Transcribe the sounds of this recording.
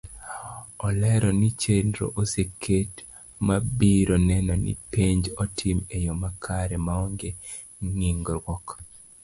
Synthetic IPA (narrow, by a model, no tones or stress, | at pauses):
ɔlɛɾɔnit͡ʃendɾo̰ʔosekʰet | mabiɾonɛnɔnḭpeɲd͡ʒɔtʰimejomakʰaɾɛmaɔŋɡe | ŋiŋɡɾwɔk